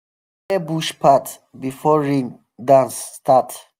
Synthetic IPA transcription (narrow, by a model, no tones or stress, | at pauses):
ebuʃpʰat | bifɔɹĩn | dãnst̪at